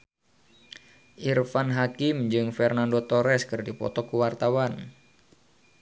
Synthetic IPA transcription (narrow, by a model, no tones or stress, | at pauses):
ʔirfanɦakimɲd͡ʒɨŋfɛrnandot̪ɔɾɛskɨrdipɔ̰t̪ɔkuwart̪awan